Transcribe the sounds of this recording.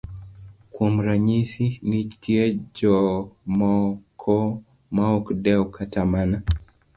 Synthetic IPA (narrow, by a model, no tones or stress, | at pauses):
kwum̩ɾaɲisinitiɛd͡ʒɔmɔkʰɔ | maɔkdɛukʰatamana